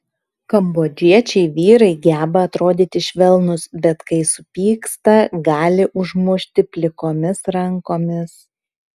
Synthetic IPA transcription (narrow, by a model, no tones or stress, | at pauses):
kɐmboːd͡ʒʲiɛt͡ʃʲɛɪʋʲiːɾɐɪɡʲæːbɐɐt̪ɾoːd̪ʲiːt̪ʲɪʃʲʋʲɛlˠnʊsbʲɛt̪kɐɪsʊpʲiːkst̪ɐɡɑːlʲɪʔʊʒmuʃʲt̪ʲɪpʲlʲɪkoːmʲɪsɾɐŋkoːmʲɪs